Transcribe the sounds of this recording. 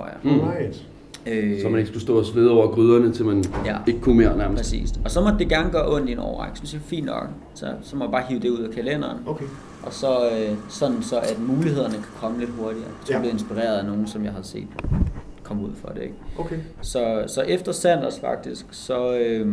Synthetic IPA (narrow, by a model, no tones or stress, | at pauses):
oɐ̰jɑ̈ | øsɒmæneɡ̥skusd̥ɔ̰sʋeð̞ˠɒʊ̰ɐɡ̥ʁyð̞ˠɐnət͡sʰe̝lmænjæe̝ɡ̥əkʰumeɐ̰næɐmpɛsḭːsɒ̽sɒ̽mɒ̽d̥e̝ɡ̥æɐŋəɡ̥ɶɐʔɔ̽n̰dinɒ̰ʊ̰ḛɡ̥synsjɑfḭːnːɒ̽ɡ̥ | sɒsɒ̽mɒ̥bɑ̈ːɦiʊd̥e̝uð̞̰ˠækʰælen̰ɐːn | ʔɒ̽sɒ̽øsɒ̽nn̩sɒ̽ʔæd̥muːliheð̰ˠɐnəkʰæ̥kʰɒ̽məle̝d̥ɦo̝ɐd̥iɐːd̥e̥sub̥le̝ð̩ˠensb̥iʁḛːɐð̞̩ˠæno̝ːn̩sɒ̽mjɑ̈ɪhæðˠse̝̰ːd̥kʰɒ̽muð̰ˠfɒ̽d̥e̝eɡ̥ksɒ̽sɒ̽ʔefd̥ɐsæn̰d̥ɐsfɑ̈ɡ̥̚d̥isɡ̥sɒ̽ø